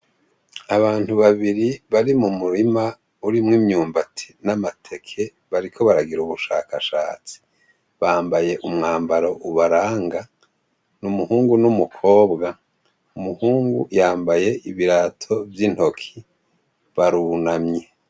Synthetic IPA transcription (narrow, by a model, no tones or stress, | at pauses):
aβaːn̥huβaβiɾiβaɾimumuɾima | uɾimŋimɲuːmbatʰi̥namatʰe̞kʰe̞ | βaɾikʰo̞βaɾaɡiɾuβuʃa̰ːkaʃa̰ːt͡si̥ | βaːmbaje̞ʔumŋaːmbaɾo̞ʔuβaɾaːŋɡa | numuhuːŋɡunumukʰo̞ːbɡa | umuhuːŋɡujaːmbaje̞ʔiβiɾatʰo̞vjin̥ho̞kʰi | βaɾunamɲe